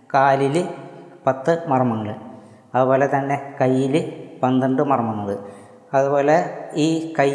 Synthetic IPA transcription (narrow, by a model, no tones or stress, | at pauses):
kaːlilɨpɐt̪ːɨmɐrɐmɐŋːɐɭ | ɐðupo̞ːlet̪ɐnːe̞kɐjːilɨpɐnd̪ɐɳɖɨmɐrɐmːɐnːɐðɨ | ɐðubo̞ːle̞iːkɐj